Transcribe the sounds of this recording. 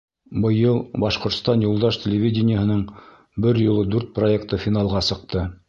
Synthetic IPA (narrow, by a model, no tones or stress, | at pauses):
bɤ̆jɤlˠbɑʃqŏɾt̪st̪ɑnjulˠd̪ɑʃtʲɪlʲɪvʲidʲɪnʲɪjəhɤ̆nɤɴ | bɘɾjolˠɤd̪ʉɾt̪̚proekt̪ɤfʲinɑlˠʁɑsɤ̆q̚t̪ɤ